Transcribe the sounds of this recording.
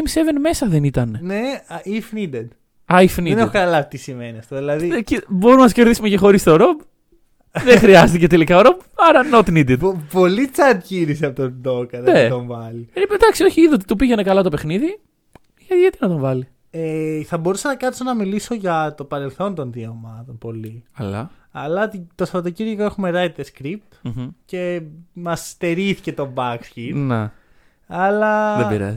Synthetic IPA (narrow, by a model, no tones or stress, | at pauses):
msevenme̞sɐðe̞nit̪ɐneneifnid̪ed̪ | ɐifnienexokɐɐlɐvit̪isime̞niɐft̪oðilɐðicebo̞ɾumnɐsceɾðisumecexo̞ɾist̪o̞ɾo̞b | ðexɾiɐst̪ice̞t̪e̞likɐoɾo̞bɐɾɐnot̪nid̪ed̪po̞lit͡sɐd̪ciɾisɐpot̪od̪okɐðet̪oɱvɐliiped̪ɐksio̞çiiðot̪̬i̥t̪upiʝenekɐlɐt̪ope̞xniði | ʝɐt̪iʝɐt̪inɐt̪o̞ɱvɐli | eθɐbo̞ɾusɐnɐkɐt̪sonɐmiliso̞ʝɐt̪o̞pɐɾe̞lθo̞nt̪o̞nðieomɐt̪onpo̞liɐlɐ̰ | ɐlɐt̪it̪ostɐɾɐt̪ociɾʝikoexume̞ɾɐjt̪eskɾip̚t̪ce̞mɐst̪e̞ɾiθice̞t̪o̞bɐksçine | ɐlɐðeiɾɐ̰z